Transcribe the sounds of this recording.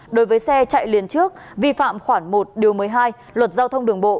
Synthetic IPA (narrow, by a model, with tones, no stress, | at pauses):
ɗo˨˦jvəː˨˦jsɛ˧t͡ɕa̰ː˧˨jli˨˦ənt͡ɕɨ˦˥ək̚ | vi˧fa̰ː˧˨mxwaː˧˩ŋmo˨˩t̚ɗi˨˩əwmɨː˨˦jɦaː˧j | lwə˨˩t̚zaː˧wt̪ʰə˧wŋ͡mɗɨ˨˩əŋɓo̰˧˨